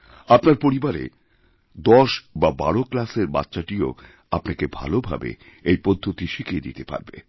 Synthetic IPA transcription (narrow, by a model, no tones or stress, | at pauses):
apnaɾpoɾibaɾḛ | d̪ɔʃbabaɽoklaseɾba̰tːʃaʈio̰ | apnakebʱa̰lobʱa̰bḛ | ejpod̪ʱːot̪iʃikied̪ḭt̪epa̰ɾbḛ